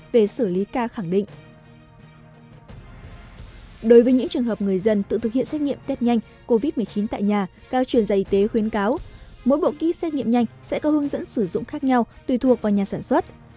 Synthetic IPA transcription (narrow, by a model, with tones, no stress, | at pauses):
ve˨˩sɨ˧˩li˨˦kaː˧xa˧˩ŋɗḭ̈˧˨ŋ̟ | ɗo˨˦jvəː˨˦jɲɨ̰˧˥ŋt͡ɕɨ˨˩əŋɦəː˨˩p̚ŋɨ˨˩əjzə˧nt̪ɨ̰˧˨t̪ʰɨ˨˩k̚hḭ˧˨ənsɛ˦˥t̚ŋḭ˧˨əmt̪ɛ˦˥t̚ɲa˧jŋ̟ | ko˧vi˦˥t̚mɨ˨˩ət͡ɕi˨˦nt̪a̰ː˧˨jɲaː˨˩ | kaː˧wt͡ɕwi˧˩ənzaː˧˩ʔi˨˦t̪e˨˦xwi˨˦ənkaː˨˦wmo̰˧˥jɓo̰˧˨kḭ˧˥sɛ˦˥t̚ɲi˧əmɲa˧jŋ̟sɛ̰˧˥kɔ˨˦hɨ˨˦əŋzə̰˧˥nsɨ˧˩zʊ̰˧˨ŋ͡mxaː˦˥k̚ɲa˧wt̪wi˨˩t̪ʰu˨˩ək̚vaː˨˩wɲaː˨˩saː˧˩nswə˦˥t̚